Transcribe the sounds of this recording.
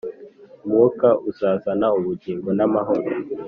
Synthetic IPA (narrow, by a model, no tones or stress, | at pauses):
umuokaʔuzaːzanauβuɟiːŋɡonamaɦoɾo